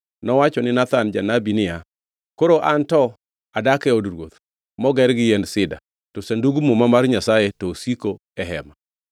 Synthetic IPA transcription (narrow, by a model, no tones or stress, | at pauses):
nɔwat͡ʃɔnɪnat̪and͡ʒanabinɪja | koɾoʔantɔ | adakɛodɾwot̪ | mɔɡɛɾɡɪjɛnsɪda̰ | tɔsanduɡumomamarɲasajɛtɔsiko | ɛɦɛma